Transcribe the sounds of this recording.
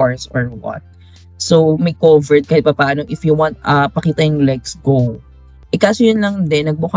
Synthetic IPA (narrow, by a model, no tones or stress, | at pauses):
ɔɹsɔɹwɐ̰t̪̚ | somɐjkovɛɹd̪̚kɐpɐpaːnoʔɪfjuwãnt̪̚ɐpɐkiːt̪ɐjʊŋlɛksɡow | ʔɪkaːsojʊnlɐŋd̪ɛnːɐɡ̚bʊk